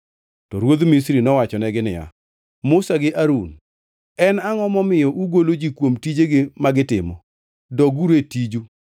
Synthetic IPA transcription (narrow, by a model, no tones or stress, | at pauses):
tɔɾwod̪mis̬ɾinɔwat͡ʃɔnɛɡɪnɪja̰ | mʊsaɡɪʔaɾun | ɛnaŋɔmɔmɪjɔʔuɡolod͡ʒikwomtid͡ʒeɡɪmaɡɪtɪmɔ̰ | dɔɡuɾetid͡ʒu